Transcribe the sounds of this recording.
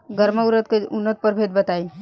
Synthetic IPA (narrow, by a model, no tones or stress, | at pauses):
ɡəɾməuɾət̪̚keunːət̪̚pəɾbʱet̪̚bət̪ai